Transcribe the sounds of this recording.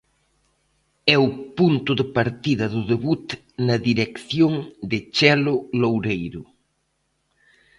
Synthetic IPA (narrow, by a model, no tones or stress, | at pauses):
ɛʊpunt̪ʊðɪpaɾt̪iðɐðʊðeβut̪ | nɐðiɾekθjoŋd̪ɪt͡ʃɛlʊlowɾejɾʊ